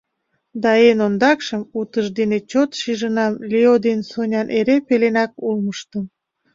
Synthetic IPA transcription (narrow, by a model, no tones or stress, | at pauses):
d̪ɑenond̪ɑkʃəmut̪əʃd̪enet͡ɕot̪ʃiʒənɑmlʲeod̪ensonʲɑnʔeɾepelenɑkulməʃt̪əm